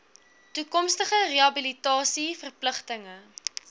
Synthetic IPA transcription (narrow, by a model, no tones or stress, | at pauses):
tukɔmstəχəreɐbilitɑːsifərpləχtəŋə